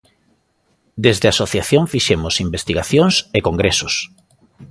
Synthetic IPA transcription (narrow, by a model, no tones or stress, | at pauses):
d̪ezðeasoθjaθjoŋfiʃemʊsimbest̪iɣaθjoŋsekoŋɡɾesʊs